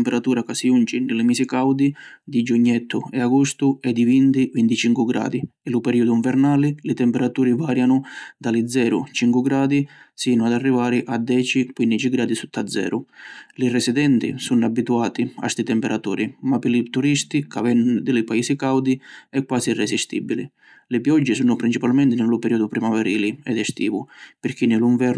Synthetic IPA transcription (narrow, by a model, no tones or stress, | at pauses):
mpɛɾat̪uːɾakasiunt͡ʃinɪlɪmiːsikawd̪id̪id͡ʒuɲːɛt̪ʰːʊɛaɡɔst̪ʊɛd̪ivint̪ikwint̪it͡ʃiŋkuɡɾa̰ːd̪iɛlupɛɾiːud̪ʊiɱvɛɾnaːlɪlɪt̪ɛmpɛɾat̪uːɾivaːɾjanʊd̪alid̪zɛːɾʊ̰t͡ʃiŋkwuɡɾaːd̪isiːnʊad̪arːivaːɾɪʔad̪ːɛːt͡ʃikwind̪it͡ʃiɡɾaːd̪isut̪ʰːad̪zːɛ̰ːɾʊlɪrɛsid̪ɛnt̪ḭsunabːit̪uaːt̪ia̰st̪it̪ɛmpɛɾat̪uːɾimapɪlit̪uɾist̪ikavɛnːd̪ɪlɪpaiːsikawd̪iɛkːwaːsirɛsist̪ḭbilḭ | lɪpjɔd͡ʒːɪsunʊpɾint͡ʃipalmɛnt̪ɪnɪlupɛɾiːɔd̪upɾimavɛɾiːliɛd̪ɛst̪ḭːvupɪɾk̟inɪluiɱvɛɾ